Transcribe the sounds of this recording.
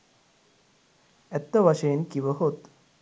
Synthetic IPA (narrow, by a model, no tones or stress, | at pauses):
ɛt̪ːɐʋɐʃenkiʋəɦot̪